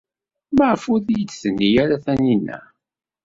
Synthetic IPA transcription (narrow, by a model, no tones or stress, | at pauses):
məʕfuðijət͡sːθənːijæɾæθæninːæ̰